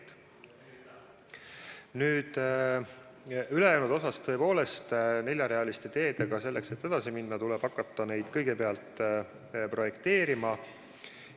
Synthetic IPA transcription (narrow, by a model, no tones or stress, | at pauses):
nyːd̪̥ | yle̞jæwnud̪o̞sɑst̪ːɤ̞epo̞ːle̞st̪ne̞lʲjɑɾe̞ɑlist̪e̞t̪e̞ːd̪e̞ɡ̥ɑse̞lːe̞kse̞t̪ːe̞d̪̥ɑsiminːɑt̪uleb̥ɑkːˑɑt̪ˑːɑne̞jd̪̥kɤ̞jɡe̞peɑlt̪ˑ | pro̞je̞kt̪e̞ːɾimɑ